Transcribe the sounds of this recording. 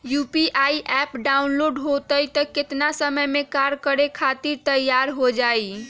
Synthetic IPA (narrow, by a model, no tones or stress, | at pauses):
jupiʔaiʔɛpɖaunloɖɦot̪əjt̪əket̪nasəməjmekaɾkəɾekʰat̪iɾt̪əjaɾɦod͡ʒaj